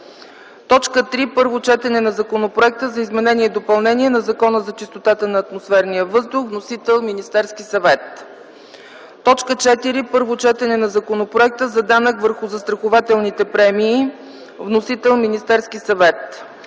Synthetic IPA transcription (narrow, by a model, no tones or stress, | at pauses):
t̪ɔt͡ʃkət̪ɾipɤɾvot͡ʃɛt̪ɛnɛnɐzɐkonopɾoɛk̚t̪əzɐizmɛnɛnʲiɛd̪opɐlˠnɛnʲiɛnɐzɐkɔnəzɐt͡ʃist̪ot̪at̪ənɐːt̪mosfɛɾnijəvɤzd̪ʊxvnosit̪ɛlˠminist̪ɛɾskisɐvɛt̪ | ɔt͡ʃkət͡ʃɛt̪iɾipɤɾvot͡ʃɛt̪ɛnɛnɐzɐkonopɾoɛk̚t̪əzɐd̪anəkvəɾxʊzɐst̪ɾɐxʊvat̪ɛlˠnit̪ɛpɾɛmiː | vnosit̪ɛlˠminist̪ɛɾskisɐvɛt̪